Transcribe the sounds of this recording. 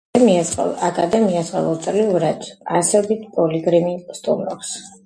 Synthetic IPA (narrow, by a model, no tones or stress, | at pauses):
ɛmiasχɛ̰akʼad̪ɛmiasχa̰lˠɔt̪sʼliuɾad̪ʰasɛd̪it̪ʰpʼɔliɡɾimist̪ʼṵmɾɔps